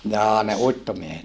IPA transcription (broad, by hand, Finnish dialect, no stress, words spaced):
jɑː ne uitːomiehet